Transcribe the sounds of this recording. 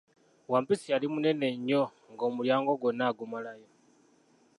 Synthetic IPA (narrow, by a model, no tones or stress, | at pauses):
wampisialimune̞ne̞ɲo | ŋɡoːmuljaːŋɡoɡwonaɡumalajo